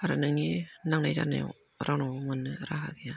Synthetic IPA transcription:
aɾanɯŋninaŋnajza̰na̰j̰ | ɾawnawŋɯnːɯɾaɦa̰ɡea

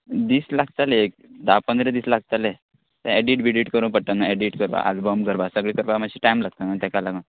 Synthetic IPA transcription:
d̪iːslaɡt̪aleek̚d̪apənd̪ɾed̪iːslaɡ̚t̪ale | t̪ə̃ɛɖiʈbʱiɖiʈkəɾũpəɽt̪anaɛɖiʈkəɾba̰ʔa̰d͡zbəmkəɾbasəɡɭikəɾbamaɕiʈajmlaɡ̚t̪anat̪ɛkalaɡa

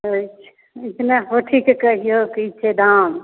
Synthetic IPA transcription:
ot͡ʃʰ | ɪt̪neɦoʈʰikkəɦijokit͡ʃʰed̪am

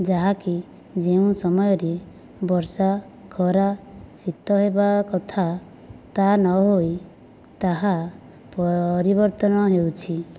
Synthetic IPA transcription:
d͡ʒaɦaki | d͡ʒeũsɔmɔjɔɾe | bɔɾsa | kʰɔɾasit̪ɔɦebakɔt̪ʰa | t̪anɔɦoj | t̪aɦa | pɔɾibɔɾt̪ɔnɔɦewt͡ʃʰi

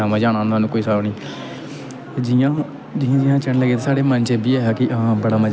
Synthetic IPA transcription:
aːmãd͡ʒaːɽ̃ãːnt̪aːnũːkoːiːsaːniː | d͡ʒɪãː | d͡ʒiːãːd͡ʒɪjãːt͡ʃəɳləɡeːt̪eːsaːɽeːmənt͡ʃeːbiːɛːɦakɪʔɦãbəɽaːməd͡ʒ

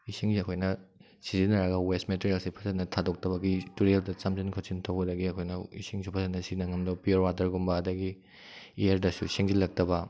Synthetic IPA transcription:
isiŋziɐkʰojnɐ | sizinɐɾɐɡɐwestmeteɾelsipʰɐsɐtnɐtʰadok̚tɐbɐɡituɾeldɐt͡ʃamzinkʰɐwsintʰɐwbɐdɐɡiɐkʰojnɐḭsiŋsupʰɐsɐtnɐsiinɐŋɐmdopijoɾwatɐɾɡumbɐːdɐɡi | ejɐɾdɐsuisiŋzilɐk̚tɐbɐ

